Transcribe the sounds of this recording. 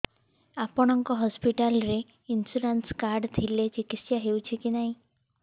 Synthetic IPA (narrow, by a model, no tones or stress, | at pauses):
apɔɽ̃ɔŋkɔɦɔspiʈalɾe | insuɾanskaɾɖt̪ʰilet͡ʃikit̪sjaɦewt͡ʃʰikinaɦĩ